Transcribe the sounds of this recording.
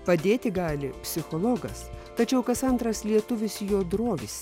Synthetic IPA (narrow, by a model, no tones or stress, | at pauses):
pɐd̪ʲeːt̪ʲɪɡɑːlʲɪpʲsʲɪxɔlˠɔɡɐst̪ɐt͡ʃʲɛʊkɐsɐnt̪ɾɐslʲiɛt̪ʊʋʲɪsʲjoːd̪ɾoːʋʲɪsʲ